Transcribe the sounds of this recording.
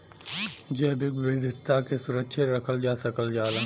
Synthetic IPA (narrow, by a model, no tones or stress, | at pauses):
d͡ʒɛːbɪkʋɪd̪ɪt̪akesʊɾəkʃʰeɾɐkʰəld͡ʒaːsəkəld͡ʒaːlə̃